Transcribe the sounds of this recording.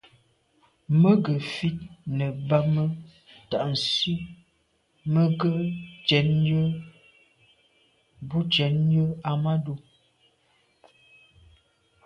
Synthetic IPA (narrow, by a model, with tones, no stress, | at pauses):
mə˦ɡə˨fi˦t̚nə˨ba˦mə˦ | ta˨ʔn̩˨si˦ | mə˦ɡə˦t͡ʃɛ˨˦njə˦ | bu˦t͡ʃɛ˨˦njə˦a˨ma˦do˦˨